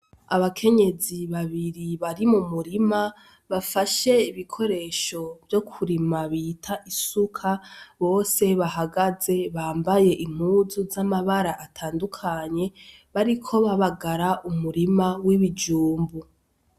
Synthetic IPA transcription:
aβakʰe̞ɲe̞ziβaβiɾiβaɾimumuɾima | βafaʃe̞iβikʰo̞ɾe̞ːʃo̞vjo̞kʰuɾimaβiːtʰaʔisukʰaβo̞ːse̞βaɦaɡaze̞βaːmbaje̞ʔim̥huzuzamaβaɾaʔatʰaːndukʰaɲe̞ | βaɾikʰo̞βaβaɡaɾaumuɾimawiβid͡ʒuːmbu

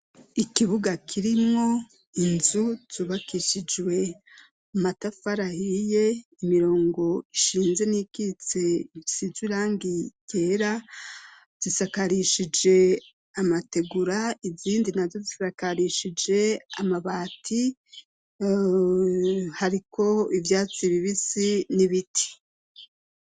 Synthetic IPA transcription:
ikiβuɡakʰiɾimŋo̞ | inzuz̥uːβakiʃid͡ʒwe̞ | matafaɾahije̞imiɾo̞ːŋɡo̞iʃiːnze̞nikit͡se̞iisizwiɾaːŋɡiɟ̥eːɾa | z̥isakaɾiʃid͡ʒe̞ | amate̞ɡuɾaiziːndinazo̞zisakaɾiʃid͡ʒe̞a̰maβaːtʰi | haɾikʰo̞ivjaːt͡siβiβisiniβitʰi̥

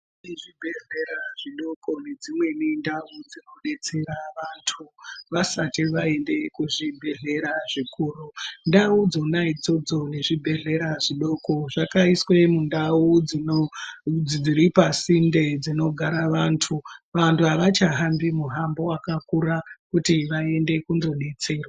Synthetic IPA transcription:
iʐibʱeɮeɾaʐ̥iɗo̞ko̞ne̞d͡zimwe̞nindaud͡zino̞ɗe̞t͡se̞ɾaʋantʰuʋasatiʋae̞nde̞kuʐibʱe̞ɮe̞ɾaʐikuːrundaud͡zo̞naid͡zo̞d͡zo̞ne̞ʐibʱe̞ɮe̞ɾaʐiɗo̞ko̞ʐakaiswe̞mundauio | id͡ziɾipasinde̞d͡zino̞ɡʱaɾaʋantʰuʋantʰuɦaʋat͡ʃaɦambimuɦambo̞wakakuɾakutiʋae̞nde̞kunzo̞ɗe̞t͡se̞rwa

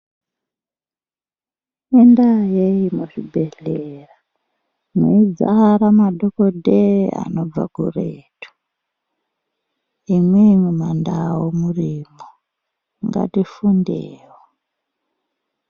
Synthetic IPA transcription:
endajeimuʐibʱeɬera | mo̰id͡za̰ɾamadʱokodʱea̰no̞b͡va̰ɡṵreːtu̥ | imwemumandawomurimo | ŋɡa̰tifundeːwo

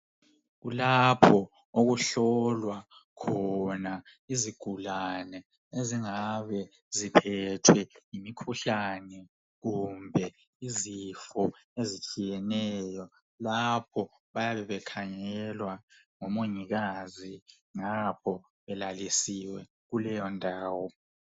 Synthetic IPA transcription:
ɣulapʰɔ | oɣuɬɔlwa | kʰɔna | iziɡ̥ʱulanɛ | eziŋaβɛ | zipʰɛtʰwɛimikʰuɬanɛ | ɣumbʱɛ | izifɔezit͡ʃʼijɛnɛjɔ | lapʰɔ | βajaβɛβɛkʰaŋɛlwa | ŋɔmoŋiɣazi | ŋapʰɔ | βɛlalisiwɛ | ɣulɛjɔndʱaːwɔ

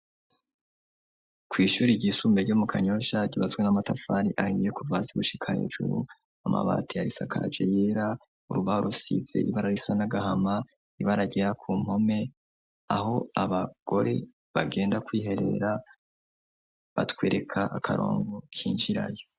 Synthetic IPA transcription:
kʰwiːʃuːɾiɟisuːmbeɟomukʰaɲo̞ʃaɟiβazɡwenamatafaːɾiʔahimijekuvaːziβuʃikʰahḛːʒ̥ṵɾu | ama̰βa̰ːtʰijaɾisakʰa̰d͡ʒejeɾa | uɾuβahoɾʔusḭze̞̰ʔiβaɾaɾisanaɡahama | iβaɾaɡeɾakʰuːm̥ho̞me̞ | aɦo̞aβaɡ̥o̞ɾe̞ | βaɡe̞ːndakwiːɦe̞ɾe̞̰ːɾa | βatweːɾe̞kʰaʔakʰa̰ɾo̞̰ːŋɡokʰiːnʒiɾa̰jo̥

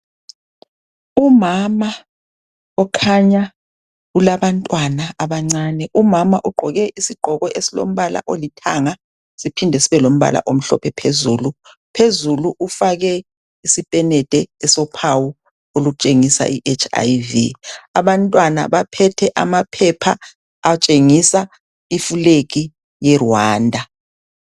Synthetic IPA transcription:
umama | ɔkʰaɲa | ulaβantʼwanaaβaŋ͡ǀaːnɛʔumamaʔuɡ͡ǃʱɔɣɛʔisiɡ͡ǃ̥ʱɔɣɔʔesilo̰m̩βala̰ʔolitʰaŋa | sipʰindʱɛsiβɛlom̩βa̰la̰ʔom̩ɬɔ̰pʰɛpʰezuːlu | pʰezuluʔufaɣɛ | isipʼɛnɛtʼɛːsɔpʰawu | oluk̬ut͡ʃʼeŋisa̰ʔiʔet͡ʃʰa̰jvḭaβantʼwana̰βapʰɛtʰɛʔamapʰɛpʰaː | t͡ʃʼeŋisa | ifuleɣ̬i | jɛrwaːndʱa

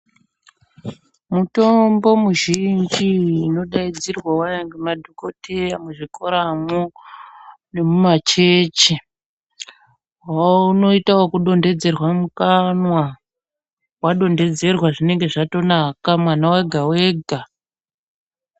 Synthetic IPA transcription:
muto̞mbo̞muʒind͡ʒiːno̞ɗaid͡zirwawaaŋɡemadʱoko̞tʰe̞jamuʐikoɾamo | ne̞mumat͡ʃet͡ʃi | wauno̞itawokuɗo̞nde̞d͡ze̞rwamukanwa | waɗo̞nde̞d͡ze̞rwaʐine̞ŋɡe̞ʐato̞nakamwanaweɡʱaweːɡʱa

